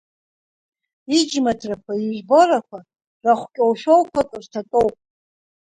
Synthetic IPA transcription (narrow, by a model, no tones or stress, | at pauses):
id͡ʒmatʰrakʷʰaiʒʷboɾakʷʰa | raχʷkʲʼowʃᶣowkʷʰakʼrtʰatʼowpʼ